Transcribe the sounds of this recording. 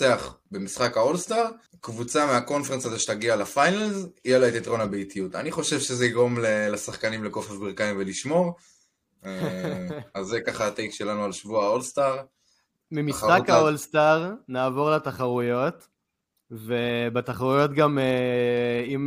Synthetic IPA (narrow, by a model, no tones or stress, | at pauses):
eaχbemisχakaolst̪aʁ | kvut͡sameako̞nfeʁensazeʃe̥t̪aɡialafajnalzijelaet̪it̪ʁo̞nabeitijut̪a̰niχo̞ʃevʃezeiɡo̞mlelesaχkanimleko̞fefbiʁkaimveliʃmo̞ʁ | e | azːekaχaːt̪ejkʃe̞lanualʃvuaolst̪aʁ | mimissχakaolst̪aʁnaːvo̞ʁlataχaʁujo̞t̪ | vebat̪aχaʁujo̞t̪ɡame | im